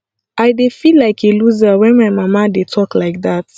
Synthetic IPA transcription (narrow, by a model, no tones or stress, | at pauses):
ʔaɪdefilːaɪkʰeluzəwɛ̃nmaɪmamadetʰɔklaɪk̚ðat